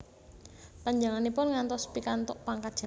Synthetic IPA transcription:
paɲd͡ʒaŋanipʊnŋant̪ɔspikant̪ɔʔpaŋkḁʒ̥a

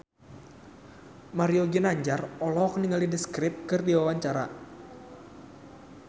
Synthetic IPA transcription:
maɾioɡinaɲd͡ʒarɔlɔkniŋalidiskɾɪp̚kɨrdiwawaɲt͡ʃaɾa̰

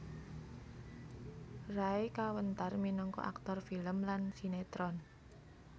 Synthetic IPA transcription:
raekawənt̪arminɔŋkɔ̰ʔa̰k̚t̪ɔrfiləmlansinet̪ɾɔn

